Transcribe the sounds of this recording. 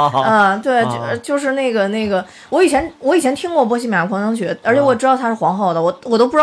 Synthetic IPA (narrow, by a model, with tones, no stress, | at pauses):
ə˧t̪we˥˩ɪ˧t͡ɕjo˥˧ʊʂ̬ɻ̩˥˧ne˥˩ɪɡə˩ne˥˩ɪɡə˩ | wɔ˧˥i˨˩t͡ɕʰjɛ˧˥nwɔ˧˥i˨˩t͡ɕʰɛ˧˥nt̪ʰi˥ŋkwɔ˥˩pwɔ˥ɕ̬i˥˩mja˨˩˥kʰɑ˧˥ŋnɑ˥ŋɕɥɛ˧˥ə˞˧˥t͡ɕʰɛ˧˩˥wɔ˥˩ʈ͡ʂɻ̩˥t̪ɑ˥˩t̪ʰa˥ʂɻ̩˥˩xwɑ˧˥ŋxɑ˥˩ʊd̪ə˩wɔ˨˩wɔ˨˩t̪o˥p